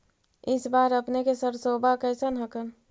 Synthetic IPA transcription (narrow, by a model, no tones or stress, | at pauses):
ɪsbaɾəpnekesəɾsobʱakəɪsənɦəkən